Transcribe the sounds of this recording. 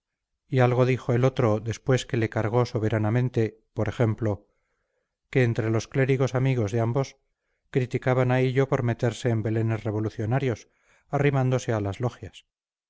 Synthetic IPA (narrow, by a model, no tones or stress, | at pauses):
ialɣo̞ðixo̞e̞lo̞t̪ɾo̞ðe̞spwe̞skele̞kaɾɣo̞so̞β̞e̞ɾanamẽnt̪e̞ | po̞ɾe̞xe̞mplo̞ | ke̞ːnt̪ɾe̞lo̞skle̞ɾiɣ̞o̞samiɣ̞o̞zðeambo̞s | kɾit̪ikaβanaeʎo̞po̞ɾme̞t̪e̞ɾse̞ːmbe̞le̞ne̞sre̞β̞o̞luθjo̞naɾjo̞s | arimãnd̪o̞se̞alazlo̞xjas